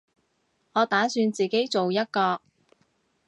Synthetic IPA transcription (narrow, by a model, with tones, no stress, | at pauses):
ŋɔː˨˧t̪aː˨˥syː˧nt͡siː˨ke˨˥jt͡so˨wjɐ˥t̚kɔː˧